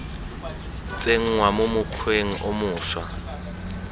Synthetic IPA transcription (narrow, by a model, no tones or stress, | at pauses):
t͡sʼeŋ̩ŋwamʊmʊkʰweŋ̩ʔomʊːʃwa